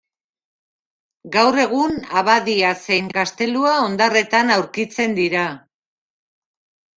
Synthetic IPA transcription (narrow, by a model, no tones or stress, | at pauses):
ɡawre̞ɣ̞unaβaðiase̞jŋkast̪e̞luao̞nd̪are̞t̪anawɾkit͡se̞nd̪iɾa